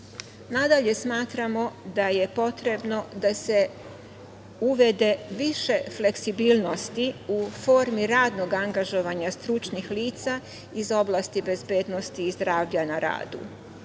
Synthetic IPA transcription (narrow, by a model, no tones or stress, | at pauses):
nad̪aʎe̞smaːt̪ɾamo̞d̪aje̞po̞t̪ɾe̞bno̞d̪ase̞ | uʋe̞d̪e̞ʋiʃe̞fle̞ksibiːlˠno̞st̪iufo̞ːɾmiɾaːd̪no̞ɡaŋɡaʒo̞ʋaɲast̪ɾut͡ʃnixliːt̪sa | izo̞blˠast̪ibe̞zbeːd̪no̞st̪iːzd̪ɾaːʋʎanaɾa̰ːd̪ṵ